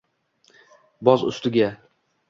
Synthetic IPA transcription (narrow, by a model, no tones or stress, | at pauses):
bɒzʊ̰st̪ɪɡʲa